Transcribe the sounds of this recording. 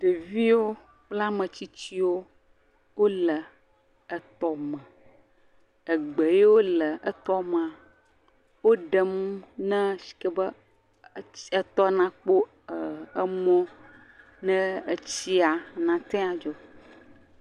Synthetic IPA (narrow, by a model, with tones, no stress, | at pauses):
ɖe˨vi˦wo˦ | k͡pla˦mə̃˨t͡ɕi˦t͡ɕi˦wo˦ | wo˦lə˨ | ə˨t̪ɔ˨mə̃˨ | ə˨ɡ͡bə˨je˦wo˦lə˨ʔə˦t̪ɔ˦m˨a˨ | wo˦ɖə˨m˦nɛ̃˦si̥˨kɛ˦bə˦ | ə˦t̪ɔ˦nã˦k͡po˦˨ | ə˦mɔ̃˦ | nɛ̃˦ə˨t͡ɕi˦a˨nã˨t̪ɛ̃˦a˨d͡ʒɔ˦